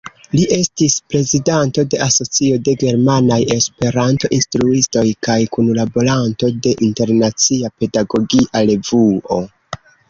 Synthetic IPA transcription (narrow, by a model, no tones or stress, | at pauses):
liʔe̞stispɾe̞zidanto̞de̞ʔaso̞t͡sio̞de̞ɡe̞ɾmanaje̞spe̞ɾanto̞ʔinstɾuisto̞jkajkunlabo̞ɾanto̞de̞ʔinte̞ɾnat͡siape̞daɡo̞ɡiʔale̞vuo̞